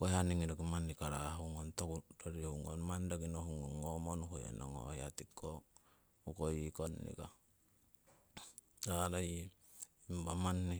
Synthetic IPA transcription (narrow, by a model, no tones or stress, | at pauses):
koaniŋidokimanːikaɾaɦuŋontokudoɾiuŋonmandakinohuŋoŋomonukojḛno̰ŋo̰hjat̪ikːo | ukoikonːḭka | ɾalaji | imbamanːi